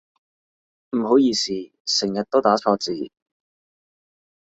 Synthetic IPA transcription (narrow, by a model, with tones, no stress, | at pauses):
m̩˨˩ɦo˨˥wjiː˨˧siː˨ | sɪ˨˩ŋjɐ˨t̚t̪o˥wt̪aː˨˥t͡sʰɔː˧t͡siː˨